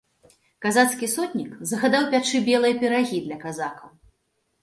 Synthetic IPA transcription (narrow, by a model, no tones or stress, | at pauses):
kazat̪skʲisɔt̪ʲnʲikzɐɣad̪awpʲat͡ʂɨbʲɛlˠɨjɐpʲɛɾaɣʲid̪lʲɐkazakɐw